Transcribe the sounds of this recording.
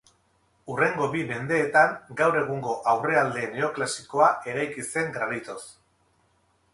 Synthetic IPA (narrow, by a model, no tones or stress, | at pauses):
ure̞ŋɡo̞βime̞nd̪e̞ːt̪aŋɡawɾe̞ɣ̞uŋɡo̞ʔawre̞ald̪e̞ne̞o̞klasiko̞aʔe̞ɾajkise̞ŋɡɾanit̪o̞s